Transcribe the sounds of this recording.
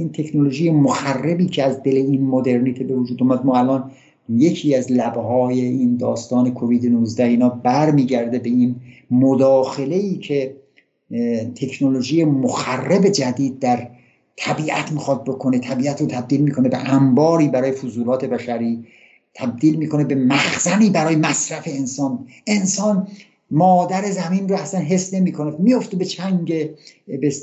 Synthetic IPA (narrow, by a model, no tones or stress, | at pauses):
iːnt̪ʰe̞kʰnolo̞ʒiːjemoxærːebiːcʰeæzd̪e̞leinmod̪e̞ɾnit̪ʰibe̞vod͡ʒuːd̪omæd̪mɒːælʔɒːn | je̞cʰiːæzlæbhɒːje̞ind̪ɒːst̪ɒːne̞kʰoviːd̪enuzd̪æhiːnɒːbæɾmiːɟæɾd̪e̞be̞inmod̪ɒːxe̞le̞iːcʰe̞ | t̪ʰe̞kʰnoloʒiːjemoxærːebe̞d͡ʒæd̪iːd̪̚ːæɾ | t̪ʰæbiːʔæ̰t̪ʰmixɒt̪̚bo̞kʰo̞net̪ʰæbiːæt̪ɾot̪ʰæb̚d̪iːlmiːkʰo̞ne̞beʔæmbɒːɾiːbæɾɒːje̞fozuːlɒːt̪ʰe̞bæʃæɾiː | t̪ʰæb̚d̪iːlmiːko̞ne̞be̞mæxz̥æniːbæɾɒːjemæsɾæfe̞ensɒːne̞nsɒːn | mɒːd̪æɾe̞zæminroæslænɦe̞sːne̞miːkʰonemijoft̪ebe̞t͡ʃʰæŋɡebes